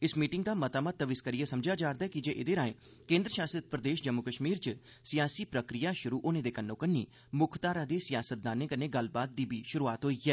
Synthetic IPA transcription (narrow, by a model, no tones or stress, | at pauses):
ɪsmiːʈɪŋɡd̪aːmət̪aːmət̪̚ːəʋɪskəɾiːaːsəmd͡ʒaːd͡ʒaːɾd̪aɛːkɪd͡ʒeːʔɪd̪eːɾaːḛ̃ː | kẽːnd̪ɾəʃaːst̪ɾət̪pɾəd̪eːʃd͡ʒəmːʊkəʃmiːɾt͡ʃə | sɪjaːsiːpɾəkɾɪjaːʃʊɾuːʔʊnẽːd̪eːkənːõːkənːḭː | mʊkʰt̪aːɾãːd̪eːsɪjaːsət̪̚d̪aːnẽːkəneːɡəlbaːt̪̚d̪iːbiːʃʊɾuːaːt̪ɦoːiːɛː